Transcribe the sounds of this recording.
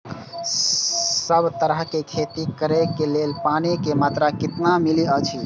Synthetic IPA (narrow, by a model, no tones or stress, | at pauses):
səbt̪əɾəɦkekʰet̪ikəɾekelelpanekemat̪ɾakɪt̪namiliət͡ʃʰi